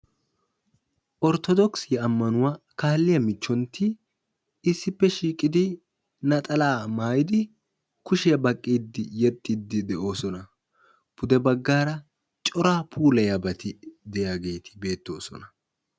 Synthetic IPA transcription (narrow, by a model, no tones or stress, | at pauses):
ʔɔɾt̪ɔd̪ɔksɪjɐɐmːɐnʊwaːkaːlːɪjɐmɪt͡ʃːɔnt̪ɪ | ɪsːɪpːɛʃiːkʼɪd̪ɪ | nɐt̪ʼɐlaːmaːjɪd̪ɪ | kʊʃɪjɐbɐkʼːid̪ːɪjɛt̪ʼːid̪ːɪd̪ɛʔo̞ːsɔnɐ | b̥ʊd̪ɛbɐɡːaːɾɐ | t͡ʃʼɔɾaːpʰuːlɐjɐbɐt̪ɪd̪ɛjaːɡe̞ːt̪ʰɪ̥be̞ːt̪ːo̞ːsɔ̰nɐ